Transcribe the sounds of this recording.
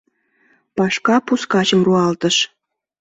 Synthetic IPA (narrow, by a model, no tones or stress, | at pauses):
pɑʃkɑpuskɑt͡ɕɤ̆mruɑlt̪ə̆ʃ